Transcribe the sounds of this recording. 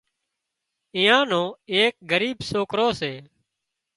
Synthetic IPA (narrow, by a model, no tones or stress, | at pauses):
ɪ̃jãːnõːeːk̚ɡəɾiːbsoːkɾoːseː